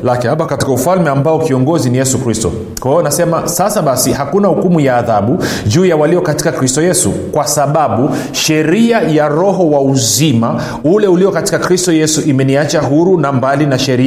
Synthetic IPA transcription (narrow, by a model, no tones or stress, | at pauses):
lakihapakati̥kaufalmɛambaɔkiɔŋɡɔzinijɛsukɾistɔ̰ | kanasɛmasasaɓasihakunahukumujaːðaɓuʄuːjawaliɔkati̥kakɾistɔjɛsṵkwasaɓaɓu | ʃɛɾiajaɾɔɦɔwauzima | ulɛuliɔkati̥kakɾistɔjɛsuʔimɛniat͡ʃaɦuɾunambalinaʃɛɾi